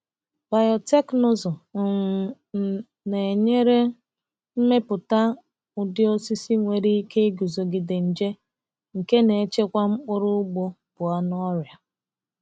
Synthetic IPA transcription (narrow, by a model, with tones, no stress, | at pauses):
b̥a˨jɔ˨te˦kno˨zɔ˨ | ne˨ɲe˦ɾe˦ | m̩˦me˦pʊ˨ta˦ | ʊ˨dɪ˦o˦si˦si˦ŋʷe˨ɾi˦ke˦ɡu˨zo˨ɡɪ˨de˨n̩˨d͡ʒe˦ | ŋ̩˨ke˦ne˨˦t͡ʃe˦kʷa˦ŋ͡m̩˦k͡pʊ˦ɾʊ˦ɡ͡bo˦ | b̥ʊ˨a˦nɔ˦ɾja˨